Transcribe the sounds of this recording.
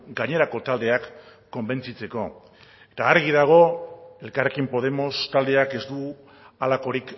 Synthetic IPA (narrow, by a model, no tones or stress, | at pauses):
ɡaɲe̞ɾako̞t̪ald̪e̞akː | o̞mbe̞nt͡sit͡se̞ko̞ | e̞t̪aːɾɣ̞iðaɣ̞o̞e̞lkarekimpo̞ð̞e̞mo̞st̪ald̪e̞ake̞zd̪u | alako̞ɾik